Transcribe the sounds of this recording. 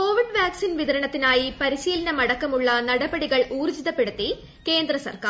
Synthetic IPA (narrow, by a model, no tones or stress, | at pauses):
ko̞ːʋiɖʋaːksinʋiðɐɾɐɳɐt̪ːinaːjipɐɾiɕiːlɐnɐmɐɽɐkːɐmuɭːɐnɐɽɐbɐɽiɣɐɭʔuːrd͡ʑiðɐpːe̞ɽut̪ːi | ke̞ːnd̪rɐsɐ̰rkaː